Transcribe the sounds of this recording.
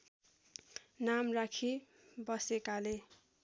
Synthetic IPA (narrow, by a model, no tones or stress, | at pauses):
namrakʰi | bʌsekale